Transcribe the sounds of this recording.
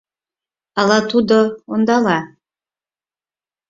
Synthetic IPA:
ɑlˠɑt̪ud̪oond̪ɑlˠɑ

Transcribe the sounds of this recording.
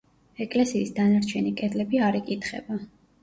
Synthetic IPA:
ɛkʼlɛsiːsd̪anaɾt͡ʃʰɛnikʼɛd̪lɛbiaɾikʼit̪ʰχɛ̰ba

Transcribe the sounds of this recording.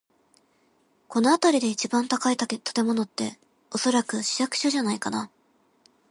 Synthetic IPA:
ko̞no̞at̪aɾʲid̪e̞it͡ɕibãnt̪akait̪at̪ḁt̪e̞mo̞no̞t̪ːe̞̰ | o̞so̞ɾakɯ̟ɕi̥jakɯ̥ɕoʑanaikana

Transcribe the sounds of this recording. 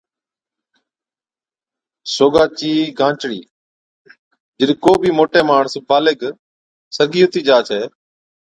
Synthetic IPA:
soːɡaːt͡ʃiːɡʱãːt͡ʃɽiː | d͡ʒəɗiːkoːbʱiːmoːʈeːmaːɳsbaːleːɡ | səɡiːɦʊt̪iːd͡ʒaːt͡ʃʰeː

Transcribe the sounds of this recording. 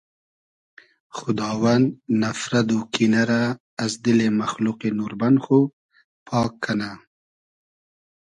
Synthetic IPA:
xʊd̪ɑːwannafɾad̪okinaɾaː | zd̪ɪlemaxluqenuɾbanxo | pʰɑːkʰːana

